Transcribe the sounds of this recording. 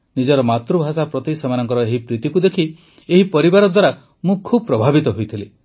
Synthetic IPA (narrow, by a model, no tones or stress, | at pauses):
nid͡ʒɔɾɔmat̪ɾubʱasapɾɔt̪isemanɔŋkɔɾɔeɦipɾit̪ikud̪ekʰi | eɦipɔɾibaɾɔd̪waɾa | mũkʰubɔpɾɔbʱabit̪ɔɦojt̪ʰili